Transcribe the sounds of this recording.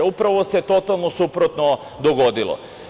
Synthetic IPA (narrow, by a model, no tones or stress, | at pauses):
upɾaʋosɛt̪ot̪alˠnosupɾɔt̪nɔ | d̪ɔɡɔd̪ilˠɔ̰